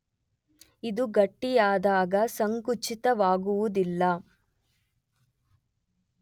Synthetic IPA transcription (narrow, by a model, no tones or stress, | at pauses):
id̪uɡɐʈːijaːd̪aːɡɐsɐŋkut͡ʃit̪ɐʋaːɡuʋud̪ilːɐ